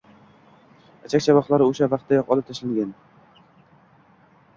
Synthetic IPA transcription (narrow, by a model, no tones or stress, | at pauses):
at͡ʃʰakʲt͡ʃʰabɒχlˠaɾɪoʃavɑqt̪ʰːajɒqɒlˠɪp̚t̪ʰaʃlaŋɡʲan